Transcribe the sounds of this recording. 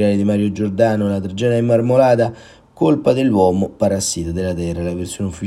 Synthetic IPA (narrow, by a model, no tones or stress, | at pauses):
aːlid̪imaɾjod͡ʒord̪aːnolat̪ɾed͡ʒɛːnaemːarmolaːt̪a | kolpad̪elːwɔːmopaɾasːiːt̪od̪elːat̪ɛralaversjoneufːi